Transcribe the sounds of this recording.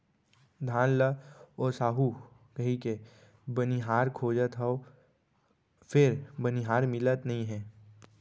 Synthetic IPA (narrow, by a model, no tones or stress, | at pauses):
d̪ʱaːnləɔːɾsaːɦu | kɐɦĩke | bəniɦaːɾkʰoːd͡ʒət̪ɦəo | pʰɪɾbəniɦaːɾmɪlət̪nɐɦĩɦɛ̃ː